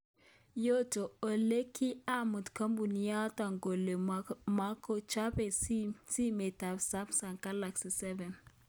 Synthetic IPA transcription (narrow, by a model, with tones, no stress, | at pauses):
jo˦to˨o˨le˦kʰi˦a˦mu˨tka˦mbu˨ni˦ja˦ta˨ŋɡo˨le˨ma˦ko˦t͡ʃa˦pe˨si˦me˨ta˨bsa˦psa˨ŋka˦la˨ksi˨sɛ˦vɛ˨n